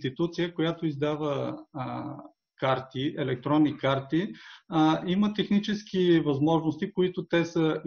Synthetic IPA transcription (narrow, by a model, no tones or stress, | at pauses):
t̪it̪ut̪sijəkojat̪oizd̪avə | kaɾt̪iɛlɛk̚t̪ɾɔnːikaɾt̪i | imət̪ɛxnit͡ʃɛsk̟ivɐzmɔʒnost̪ikoit̪ot̪ɛsə